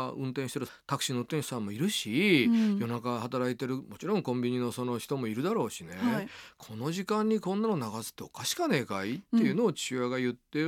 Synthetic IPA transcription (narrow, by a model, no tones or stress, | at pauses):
ɯ̟̃nt̪̬ẽɕit̪eɾɯ̟ | t̪akɯ̟̥ɕinot̪ːẽ̥sãmːo̞iɾɯ̟ɕijo̞nakahat̪aɾait̪e̞ɾɯ̟mo̞t͡ɕiɾõ̞ŋkõ̞mbʲiɲ̟ino̞so̞no̞çi̥t̪o̞mo̞iɾɯ̟d̪aɾo̞ːɕine̞kʰo̞no̞ʑikãɲ̟ːikõ̞nːanonaɡasɨ̥t̪ːeo̞kaɕi̥kane̞ːkait̪ːe̞jɯ̟no̞ːt͡ɕɨβaɡajɯ̟t̪ːe